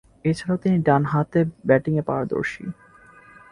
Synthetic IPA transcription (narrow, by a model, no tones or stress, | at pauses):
et͡ɕʰaɾaot̪iniɖanɦat̪ebɛʈiŋepa̰waɾd̪o̰ɾʃḭ